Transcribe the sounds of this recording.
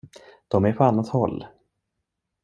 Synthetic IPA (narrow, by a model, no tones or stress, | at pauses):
d̪̥ɔmæɾpʰɔanːat̪hɔlː